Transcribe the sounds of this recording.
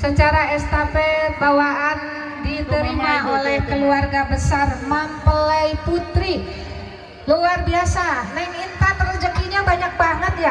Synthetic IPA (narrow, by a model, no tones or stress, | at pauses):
sət͡ʃaɾaɛst̪apɛbawaʔan | dit̪əɾimaolɛhkəluarɡabəsarmampələjput̪ɾi | luarbiasanaimint̪at̪ərd͡ʒəkiɲabaɲak̚baŋət̪̚ja